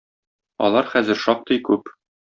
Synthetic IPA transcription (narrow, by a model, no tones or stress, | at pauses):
ɒ̰lˠɑɾχæzɘ̆ɾʃɒp̚t̪ɤjkʉp